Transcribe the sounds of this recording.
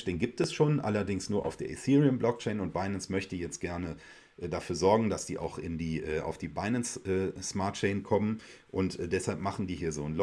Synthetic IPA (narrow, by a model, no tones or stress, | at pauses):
d̥eːnɡiːp̚tɛsʃoːnʔa̰lɐdɪŋsnuːɐʔaʊfd̥eːɐʔɪθiːʁiənblɔk̚t͡ʃɛɪnʊnt̚b̥aɪnənsmœçtəjɛt͡st̚ɡ̥ɛɐnə | ʔɛːdafyːɐzɔɐɡŋ̩dasd̥ḭːʔa̰ʊxɪ̰ndiːʔɛːʔa̰ʊfd̥iːbaɪnənsʔɛːsmaɐt̚t͡ʃɛɪnkʰɔmən | ʔʊntʔɛd̥ɛshalpmaχn̩diːɦiːɐzoːn̩l